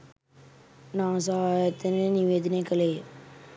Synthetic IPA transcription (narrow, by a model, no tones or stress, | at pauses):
nãːs̬ɐɦaːjɐt̪ːɐneniʋeːd̪nekɐleː